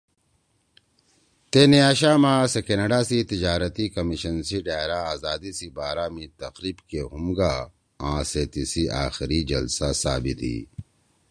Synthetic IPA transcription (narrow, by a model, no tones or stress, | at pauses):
t̪enejaːɕaːmaːsekɐnɐɖaːsit̪id͡ʑaːɾɐt̪ikɐmiɕɐnsiɖaːjɾaaːzaːd̪isibaːɾaːmit̪ɐqɾiːbkehumɡaː | ãːset̪isiʔa̰ːxiɾid͡ʑɐ̰lsasaːbit̪ḭː